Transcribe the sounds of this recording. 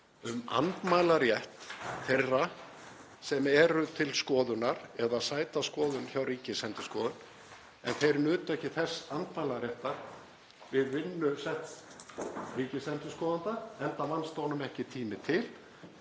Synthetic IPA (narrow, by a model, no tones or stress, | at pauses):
ʏma̰nt̪maːjlaɾjɛht̪θejrːa | sɛmɛɾʏt̪ʰɪlskɔːðʏnaɾɛðasaːjt̪askɔːðʏnçawriːcɪsɛnt̪ʏskɔːðʏn | ɛ̰nθejɾnʏːt̪ʏɛhcɪθɛsːant̪majlaɾjɛht̪aɾ̥ | vɪðvɪnːʏsɛht̪ | riːcɪsɛnt̪ʏskɔːðant̪aɛnt̪avanst̪oːwnʏmɛhcɪt̪ʰiːmɪt̪ʰɪl